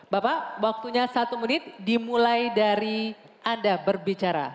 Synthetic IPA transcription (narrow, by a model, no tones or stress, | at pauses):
bapawak̚t̪uɲasat̪umənɪt̪̚dimulajdaɾi | ʔandabərbit͡ʃaɾa̰